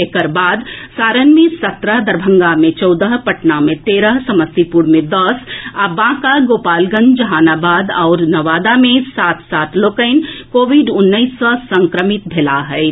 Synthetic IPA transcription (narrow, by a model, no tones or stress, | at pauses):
ekəɾbaːd̪saːɾənmẽsɐt̪ɾəɦd̪ɐɾbʱə̃ŋɡamẽt͡ʃɔʊd̪əɦpɐʈnamẽt̪eːɾəɦsɐməst̪ipuɾmẽd̪ɐsabãːkaɡoːpaːlɡə̃nd͡ʒɐɦaːnaːbaːd̪ɔːɾnɐʋaːd̪amẽsaːt̪ʰsaːt̪ʰloːkəɪnkoːʋɪɖʊnːəisːɐsə̃ŋkɾəmɪt̪̚b̪ʱelaɦɛɪ